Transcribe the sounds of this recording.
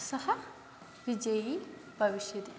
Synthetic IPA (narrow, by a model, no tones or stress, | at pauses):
sɐhɐ | ʋid͡ʒɐji | bʱɐʋiʃjɐd̪i